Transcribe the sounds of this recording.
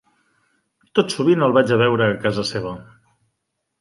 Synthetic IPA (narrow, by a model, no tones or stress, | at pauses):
t̪ot̪suβinəlˠβad͡ʒəβɛwɾəːkazəseβ̞ə